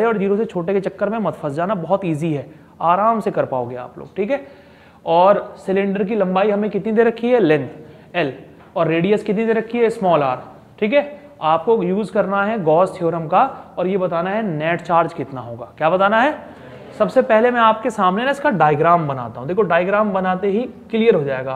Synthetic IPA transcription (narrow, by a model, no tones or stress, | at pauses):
eɔːɾd͡ʒiːɾoset͡ʃʰoːʈeket͡ʃɐkːəɾmẽmɐt̪fʰəsd͡ʒaːnabɔɦɔt̪iːziɦɛː | aːɾaːmsekɐɾpa̰ːo̰ːɡea̰ːplo̰ːɡ̚ʈʰiːkɦɛː | ɔːɾsɪlɪ̃ɳɖəɾk̬ilɐ̃mbaːiɦɐmẽkɪt̪nid̪eːɾɐkʰːiɦɛlɪ̃nt̪ | ɛl | ɔːɾːeːɖijəskɪt̪nid̪eːɾɐkʰːiɦɛsmɔːlaːɾ | ʈʰiːkɦɛː | aːp̚kojuːzkɐɾnaɦɛɡɔːsʈʰoːɾəmkaɔːɾjebɐt̪aːnaɦɛnɛːʈt͡ʃaːɾd͡ʒkɪt̪naɦoːɡa̰ːkjaːbɐt̪aːnaɦɛ | sɐbsepɛɦlemɛ̃aːp̚kesaːmnenaɪskaɖaːɪɡɾaːmbɐna̰ːt̪aɦũd̪eːkʰoɖaːɪɡɾaːmbɐnaːt̪eɦikɪlijəɾɦod͡ʒaːeːɡaː